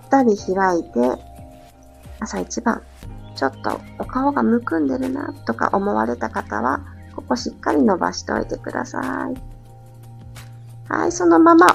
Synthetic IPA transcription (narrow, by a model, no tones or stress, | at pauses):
t̪ːaɾʲiçiɾait̪e̞ | asait͡ɕibã̰ŋ | t͡ɕo̞t̪ːo̞̰okaoɡamɯ̟kɯ̟̃nd̪e̞ɾɯ̟na̰t̪ːo̞ka̰ʔo̞mo̞βa̰ɾe̞t̪akat̪aβa | ko̞ko̞ɕikːaɾʲino̞ba̰ɕi̥t̪o̞̰it̪e̞kɯ̟d̪asa̰i | ha̰iso̞no̞mama